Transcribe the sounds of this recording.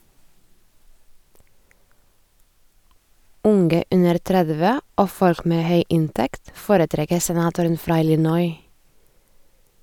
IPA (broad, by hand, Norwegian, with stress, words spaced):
ˈʊŋɡə ˈʉnəɾ ˈtɾɛðʋə ˈoː ˈfɔɾk ˈmeː ˈhœʏ ˈɪntɛkt ˈfoːɾəˌtɾɛkə sɛˈnɑːtʊɾən ˈfɾɑː ˈɪlɪnɔʏ